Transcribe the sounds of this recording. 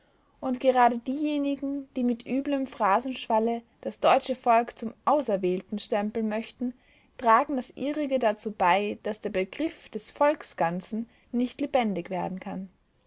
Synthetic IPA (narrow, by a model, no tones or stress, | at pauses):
ʔʊntɡ̥əʁaːdədiːjeːnɪɡŋ̩d̥iːmɪtʔyːbləmfʁ̥aːzn̩ʃv̥alə | d̥asd̥ɔʏt͡ʃəfɔlkt͡sʊmʔaʊsɛɐvɛːltn̩ʃtɛmpl̩mœçtn̩ | tʁ̥aːɡŋ̩d̥asʔiːʁɪɡədat͡suːbaɪd̥asd̥eːɐbəɡʁɪfd̥ɛsfɔlksɡ̥ant͡sn̩ | nɪçtlebɛndɪçv̥eːɐdn̩kʰan